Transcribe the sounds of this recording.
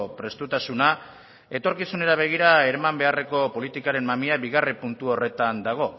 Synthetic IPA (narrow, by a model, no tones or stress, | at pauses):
pɾe̞st̪ut̪asuna | e̞t̪o̞ɾkisune̞ɾaβ̞e̞ɣ̞iɾae̞ɾamambe̞are̞ko̞po̞lit̪ikaɾe̞mmamiaβiɣaripunt̪uo̞re̞t̪and̪aɣ̞o̞